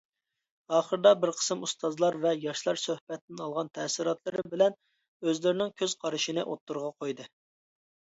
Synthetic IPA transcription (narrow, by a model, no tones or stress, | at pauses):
ɑːχəɾd̪ɑbɪɾqʰə̥sɨmust̪ɑzlˠɑɾvɛjɑʃlˠɑɾsøhpɛt̪ːɪnɑlˠʁɑnt̪ʰɛsiɾɑt̪lˠɨɾɪbɪlɛn | øzlɪɾɪnɪŋkʲʰøz̥qʰɑɾɨʃinɨʔot̪ːuɾʁɑqʰojd̪ɨ